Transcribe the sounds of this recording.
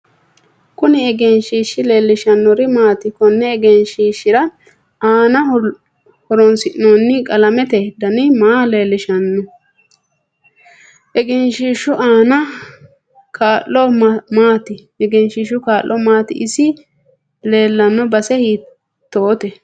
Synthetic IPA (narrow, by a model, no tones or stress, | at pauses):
kʊnɪɛɡɛnʃiːʃːɪle̞ːlːɪʃɐnːɔɾɪmaːt̪ɪkɔnːɛːɡɛnʃiːʃɪɾɐ | aːnɐ | hɔɾɔnsɪʔnonːɪkʼɐlɐmɛt̪ɛd̪ɐnɪmaːle̞ːlːɪʃɐnːɛ | ʔɛɡɛnʃiːʃːʊʔaːnɐ | kʰaːlːɔmaːt̪ɪ | ɛɡɛnʃiːʃʊkaːlːɔmaːt̪ɪ̰ʔɪsɪ | le̞ːlːɐnːɔbɐsɛhiː | t̪ːoːt̪ɛ